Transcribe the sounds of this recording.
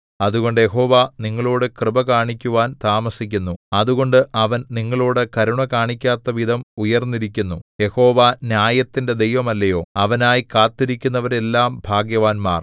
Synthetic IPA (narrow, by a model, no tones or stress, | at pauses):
ɐðuɣo̞ɳɖɨje̞ɦo̞ːʋaniŋːɐɭoːɽekrɨbɐkaːɳikʲːuʋaːnt̪aːmɐsikʲːunːuɐðuɣo̞ɳɖɨʔɐʋɐnniŋːɐɭoːɽekɐɾuɳɐkaːɳikʲːaːt̪ːɐʋid̪ʱɐmujɐrnːiɾikʲːunːuje̞ho̞ːʋanjaːjɐt̪ːinde̞d̪e̞jʋɐmɐlːɐjo̞ːɐʋɐnaːjikaːt̪ːiɾikʲːunːɐʋɐɾe̞lːaːmbʱaːɡjɐʋaːnma̰ːr